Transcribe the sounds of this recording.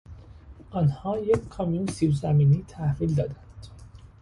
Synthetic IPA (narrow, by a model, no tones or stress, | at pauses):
ʔɒːnhɒːjeckʰːɒmijunsiːvzæmiːniːt̪ʰæhviːld̪ɒːd̪ænd̪̥